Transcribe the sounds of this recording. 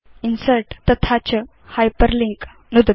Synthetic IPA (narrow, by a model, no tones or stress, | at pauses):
insəlʈt̪ət̪ʰat͡ɕə | hajpəɾliŋk | nud̪